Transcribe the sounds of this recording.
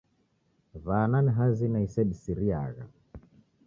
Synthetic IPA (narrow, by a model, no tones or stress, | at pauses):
vaːnaniɦazinaisɛɗisiɾia̰ɣa̰